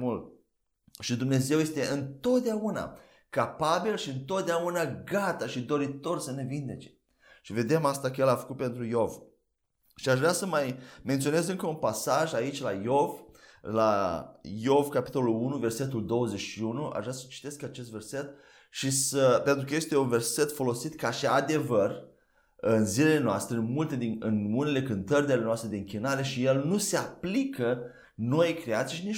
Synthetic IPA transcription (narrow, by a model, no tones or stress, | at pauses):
ult̪ | ʃid̪umne̞ze̞wje̞st̪e̞ɨnt̪o̞t̪̚d̪eauna̰ | kapabilʃiɨnt̪o̞t̪̚d̪eaunaɡat̪aʃid̪o̞ɾit̪o̞rsəne̞vind̪e̞t͡ʃe̞̥ | ʃive̞d̪e̞mast̪akəjelafə̥kut̪̚pe̞nt̪ɾujo̞v | ʃiaʃʒvɾeasəmajment̪sio̞ne̞zɨŋkəunpasaʒait͡ʃʲlajo̞vla̰ | jo̞vkapi̥t̪o̞lulunuve̞rse̞t̪̬uld̪o̞wəze̞t͡ʃʃiunuʔa̰ʃʒvɾasət͡ʃi̥t̪e̞skat͡ʃe̞s̬t̪ve̞rse̞t̪̚ | ʃisəpent̪ɾukəjest̪e̞unve̞rse̞t̪fo̞lo̞sit̪kaʃiad̪e̞vər | ɨnzilele̞noast̪ɾeɨnmult̪e̞d̪inɨnune̞le̞kɨnt̪ərʲid̪elenoast̪ɾe̞d̪eɨŋkʲinaɾe̞ʃije̞lnuse̞aplikə | no̞jkɾeat̪sijʃini